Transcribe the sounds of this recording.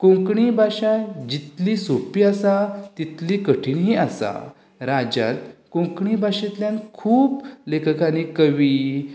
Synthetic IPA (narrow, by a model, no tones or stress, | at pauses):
kõŋkɳibʱaɕad͡ʑit̪lisopiasat̪it̪likəʈʰiːnɦiasa̰ | ɾad͡ʑa̰t̪kõŋkɳibʱaɕit̪ljankʰuːblekʰəkanikəʋi